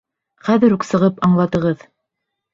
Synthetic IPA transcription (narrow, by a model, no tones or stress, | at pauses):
χæðɘɾʉksɤ̆ʁɤpɑɴlˠɑt̪ɤ̆ʁɤð